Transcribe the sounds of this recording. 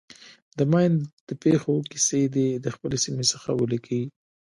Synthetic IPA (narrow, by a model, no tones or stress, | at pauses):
d̪əmajnd̪̥əpexokised̪ed̪əxpəlesimesəxawəlikʰawi